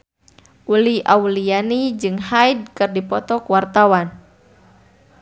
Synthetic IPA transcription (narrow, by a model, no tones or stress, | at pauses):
ʔulia̰ulianid͡ʒɨŋɦajd̚kɨrdipɔt̪ɔkwart̪awan